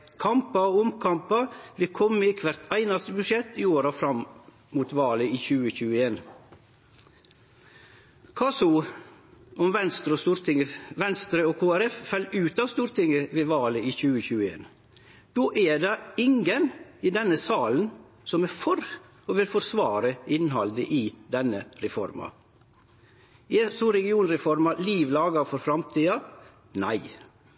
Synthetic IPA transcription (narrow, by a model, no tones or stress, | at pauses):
kʰɑmpɑʊmkʰɑmpɑʋɪkʰɔmːəɪkʰʋæɾt̪ʰæɪnɑst̪əbʉʂɛt̪ːɪoːɾɑfɾɑm | muːt̪ʋɑːləiːçʉːəçʉːəeːn | kʰɑːsʊ | ɔmʋɛnst̪ɾəɔst̪uːɾt̪ɪŋəʋɛnst̪ɾəoːkʰoːæɾɛffɑlːʉːt̪ɑːʋst̪uːɾt̪ʰɪŋəʋeːʋɑːləiːçʉːəçʉːəḛːn | d̪̥oːʔɛɖɑɪŋəniːd̪ɛnəsɑːln̩ | sɔmæfɔɾ | ɔʋɪlfɔɾsʋɑːɾəɪnɦɑld̪əʔiːd̪ɛnəɾɛfɔ̰ɾmɑ̰ | ɛsoːɾɛɡɪuːnɾɛfɔɾmɑliːʋlɑːɡɑfɔɾfɾɑmt̪ʰiːɑ | næɪ